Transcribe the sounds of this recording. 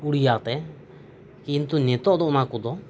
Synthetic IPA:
uɽijat̪ɛ | kint̪unɛt̪ɔʔd̪ɔʔnakud̪ɔ

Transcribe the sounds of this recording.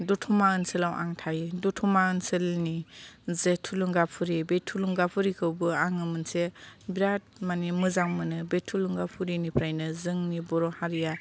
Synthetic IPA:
dɔtʰumaɯnsɯlawʔa̰ŋtʰajidutʰumaɯnsɯlnizetʰuluŋɡapʰuɾibetʰuluŋɡapʰuɾikʰɯwbɯaŋɯmɯnsebiɾat̚manimɯzaŋmɯnɯbetʰːuluŋɡapʰuɾinipʰɾajnɯzɯŋnibɔɾɔhaɾija

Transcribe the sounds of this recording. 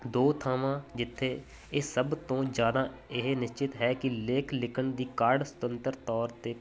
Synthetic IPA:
d̪oːt̪ʰaːmãːd͡ʒɪt̪ʰːeː | ɪsəbt̪õːd͡ʒaːnaːɪɦenɪst͡ʃɪt̪ɦɛːkɪleːkʰlɪkʰəɳd̪iːkaːɾɖsə̥t̪ənt̪əɾt̪ɔːɾt̪eː

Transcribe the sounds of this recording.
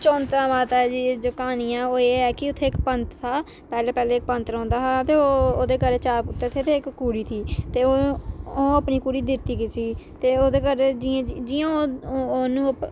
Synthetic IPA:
t͡ʃɔ̃ːnt̪ãːʋaːt̪aɛd͡ʒiːd͡ʒokaːniːɛ̃ːoːeːɛːkɪʊt̪ʰːeːɪkpənt̪t̪ʰaː | pɛːleːpɛːleːk̚pənt̪ɾɔ̃ːnd̪aːt̪eːoːoːd̪eːkəɾeːt͡ʃaːɾpʊt̪ːeːt̪ʰeːt̪ʰeːɪkːuːɾiːt̪ʰiːt̪eːoːõːəpniːkuːɽiːd̪ɪt̪ːiːkɪsiːt̪eːoːd̪eːkəɾed͡ʒiãd͡ʒɪːãːoːoːnũːəp

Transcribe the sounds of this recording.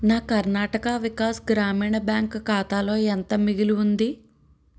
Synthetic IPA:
naːkɐɾnaːʈɐkɐʋikaːsɡɾaːmiːɳɐbjaːŋkkaːt̪aːlo̞ːent̪ɐmiɡiluund̪i

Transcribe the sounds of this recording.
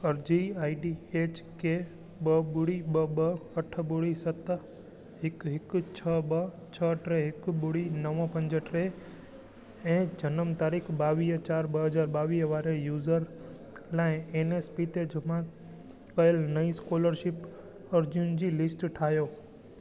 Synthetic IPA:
ɐɾd͡ʑiaːiɖieːt͡ɕke | ɓəɓʊɽiɓəɓəɐʈʰə̆ɓʊɽisɐt̪ | ɦɪkɦɪkt͡ɕʰəɓə | t͡ɕʰəʈɾeɦɪkɓʊɽinəʋõpɐ̃ɲd͡ʑəʈɾe | ɛ̃ːd͡ʑɐnəmt̪aːɾikʰɓaːʋiːɦt͡ɕaːɾɓɐɦɐzaːɾɓaːʋiːɦʋaːɾejuːzəɾ | laːɪ̃eːneːspiːt̪ed͡ʒʱʊmã | kɐjəlnɐiskoːləɾʃɪp | ɐɾd͡ʑijʊn̆d͡ʑiːlɪsʈʈʰaːɦjoː

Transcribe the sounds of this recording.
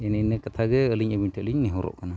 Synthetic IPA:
ɛnɛnɛkat̪ʰaɡɛəliɲəbiɲʈʰɛəliɲnɛɦɔɾɔ̰ʔkana

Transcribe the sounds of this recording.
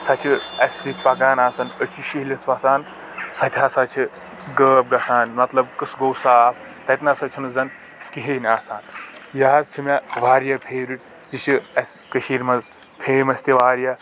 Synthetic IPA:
sɐt͡ʃʰiɐsʲɾit̪pɐɡaːnaːsɐnət͡ʃʰiʃiɦlʲɐt͡sʋɐsaːn | sɐt̪ʰʲjasat͡ʃʰi | ɡəːb̚ɡɐsaːnmɐt̪lɐbkɨsɡowsaːp | t̪ɐt̪nɐsɐt͡ʃʰinɐzɐn | kiɦeːnʲaːsaːnjaːzt͡ʃʰimʲaʋaːɾjɐpʰeːɾiʈ̚ | d͡ʒit͡ʃʰiɐsʲkɐʃiɾmɐz | pʰeːmɐsʲt̪ʲiʋaːɾja

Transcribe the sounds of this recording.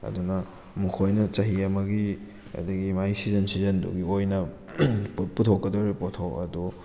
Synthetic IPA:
ɐ̰dunɐ | mukʰojnɐt͡ʃɐɦiɐmɐɡi | ɐ̰dɐɡimajsizɐnsizɐndṵɡiojnɐ | put̚putʰokːɐdoɾipotʰowɐ̰du

